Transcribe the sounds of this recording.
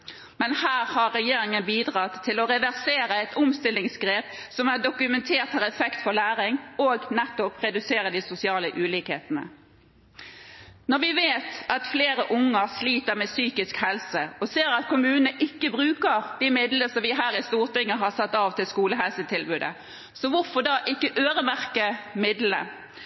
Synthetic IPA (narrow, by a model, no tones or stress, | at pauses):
mɛnhæːɾhɑɾɾɛjeːɾɪŋənbiːd̪ʁɑt̪ʰːɪlɔɾɛʋæʁseːɾəɛt̪ʊmst̪ɪlːɪŋsɡʁeːpsɔmæʁɖʊkʉmɛnt̪ʰeːʁt̪hɑɾɛfɛkt̪fɔlæːɾɪŋoːɡnɛt̪ːɔpʁɛd̪ʉseːɾəd̪ɪsʊsɪɑːləʔʉːlɪːkhḛːt̪ənə̰ | nɔʁʋɪʋeːt̪ʔɑt̪fleːʁəʔʊŋːəɾsliːt̪əʁmɛsyːkɪskhɛlsəɔseːɾɑt̪kʰʊmʉːnənəʔɪkːəbʁʉːkəʁd̪̥imɪd̪ləsɔmʋɪɦæːɾɪst̪uːʁt̪ɪŋːəɦɑsɑt̪ːɑːʋt̪ʰɪlskuːləɦɛlsət̪ʰɪlbʉːd̪ə̰ | sɔʋʊɾfɔd̪ɑʔɪkːəʔøːʁəmæʁkəmɪd̪lə̰